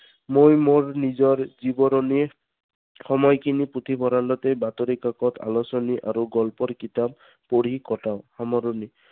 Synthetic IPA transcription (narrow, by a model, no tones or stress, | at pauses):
mojmoɹnid͡ʒɔɾd͡ʒibɔɾɔni | xɔmɔjkiniput̪ʰibʱɔɾandɔt̪ebat̪ɔɾikakɔt̪ʰa̰lɔsɔniʔaɾuɡɔlpɔɾkit̪ab̚ | poɽ̤ikɔʈaʊ̃hamɔɾɔni